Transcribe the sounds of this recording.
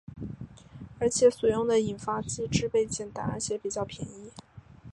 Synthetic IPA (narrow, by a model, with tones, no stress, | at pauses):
ə˧˥t͡ɕʰjɛ˨˧˥swu˨˩jʊ˥˩ŋd̪ə˨i˨˩nfa˥t͡ɕi˥ʈ͡ʂɻ̩˥pe˥˧ɪt͡ɕjɛ˥˩nt̪a̰˨˩nə̰˞˧˥t͡ɕʰjɛ˧˥pi˨˩t͡ɕjɑ˥˩ʊpʰjɛ̰˧˥ni˥